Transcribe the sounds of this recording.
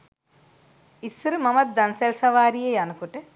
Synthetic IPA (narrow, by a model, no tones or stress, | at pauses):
isɾimɐmɐt̪̚d̪ɐnselsɐʋaːɾijejɐnukuʈe